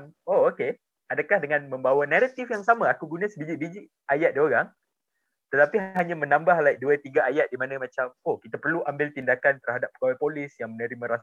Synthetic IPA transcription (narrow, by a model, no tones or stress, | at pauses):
ŋooke | adakahdəŋãnmə̃mbawanaɾat̪ifjaŋsamãakuɡunãsəbid͡ʒiʔ̚bid͡ʒɪʔ | ajat̪̚dioɾaŋ | t̪ət̪apiɦɦaɲãmə̃nãmbahlaik̚duat̪iɡaajat̪̚dimanə̃mãt͡ʃamohkit̪apərluʔambɪlt̪indakant̪ərɦadap̚ːəɡawajpolɪsjaŋmənəɾimə̃ɾas